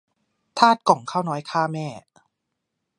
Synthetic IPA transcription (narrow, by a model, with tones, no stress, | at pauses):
t̪ʰaː˥˩t̪̚kɔ˨˩˦ŋkʰaː˥˩wnɔː˦˥jkʰaː˥˩mɛː˥˩